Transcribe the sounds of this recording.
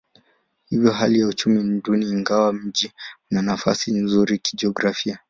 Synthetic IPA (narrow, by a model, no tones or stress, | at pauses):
hivjɔɦalijaut͡ʃumim̩ɗuniːŋɡawam̩ʄiunanafa̰sinzuɾiki̥d͡ʒiɔɡɾafia